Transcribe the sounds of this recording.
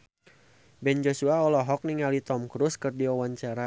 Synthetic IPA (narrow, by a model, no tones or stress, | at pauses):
bɛnd͡ʒosuaɔlɔɦɔk̚niŋalit̪ɔmkɾuskɨrdiɔwaɲt͡ʃaɾa